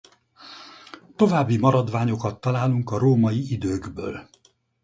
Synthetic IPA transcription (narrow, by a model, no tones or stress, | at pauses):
t̪o̞vaːbːimɒɾɒd̪vaːɲo̞kɒt̪ːɒlaːluŋkɒɾoːmɒjiid̪øːɡbø̰ːl